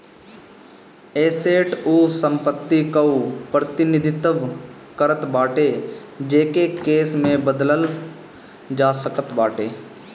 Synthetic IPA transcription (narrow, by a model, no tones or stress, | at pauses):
eːseːʈuːsə̃mpət̪ːikəupɾət̪ɪnɪd̪ʱɪt̪əʋ | kəɾət̪baːʈed͡ʒeːkekeːsmẽbəd̪ləl | d͡ʒaːsəkət̪baːʈeː